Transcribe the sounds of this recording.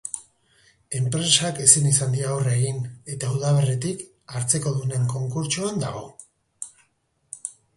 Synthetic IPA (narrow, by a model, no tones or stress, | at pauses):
e̞mpɾe̞sake̞sinisand̪iawraeɣine̞t̪auðaβe̞ret̪ik | aɾt͡se̞ko̞ðune̞ŋko̞ŋkuɾt͡ʃuand̪a̰ɣ̞o̞